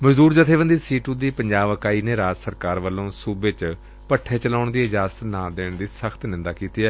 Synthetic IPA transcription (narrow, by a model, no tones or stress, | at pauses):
məd͡ʒd̪uːɾd͡ʒət̪ʰeːʋənd̪iːsiːʈũːd̪iːpəɲd͡ʒaːbəkaːiːneːɾaːd͡ʒsəɾkaːɾʋəlːõːsuːbet͡ʃ | pəʈʰːeːt͡ʃəlaːʊɳd̪iːɪd͡ʒaːsət̪nãːd̪eːɳd̪iːsəkʰt̪nɪ̃nd̪aːkiːt̪iːɛː